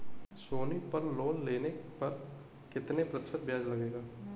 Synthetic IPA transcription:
soːnipɐɾloːnleːnepɐɾ | kɪt̪nepɾɐt̪ɪ̥ʃət̪̚bjaːd͡ʒlɐɡeːɡaː

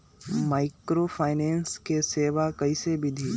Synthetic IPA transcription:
maːɪkɾoːfʰaːɪneːnskeseːʋakɐisebʱid̪ʱiː

